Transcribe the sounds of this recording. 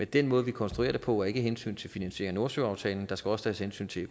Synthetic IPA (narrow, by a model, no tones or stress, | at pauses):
mend̥enmɔ̽ːð̩ˠʋikʰɒ̽nsd̥ʁue̝̰ɐdɾe̝pʰɒ̽æe̝ɡ̥əɦensy̰ːnt͡sʰe̝lfinænɕe̝̰ɐ̰ŋno̝ɐsøɑ̈ʊt͡sʰɛ̰ːln̩d̥ɑ̈sɡ̥æɒ̽sə̥t͡sʰɛ̰ːshensy̰ːnt͡sʰe̝